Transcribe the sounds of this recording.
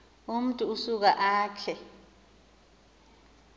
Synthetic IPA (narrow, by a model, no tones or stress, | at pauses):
um̩tʼuːsuk̬aʔaːt͡ɬʰɛ